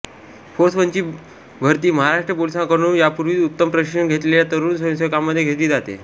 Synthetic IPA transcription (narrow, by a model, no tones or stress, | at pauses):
foɾsʋəɲt͡ɕiː | bʱəɾt̪iːməɦaɾaʂʈɾəpolisãŋkəɾ̃uːnjapuɾʋiːut̪ːəmpɾəʂiɳɡʱet̪leljat̪əɾuːnsʋə̃səkamːəd̪ʱːjeɡʱet̪liːd͡zat̪ḛ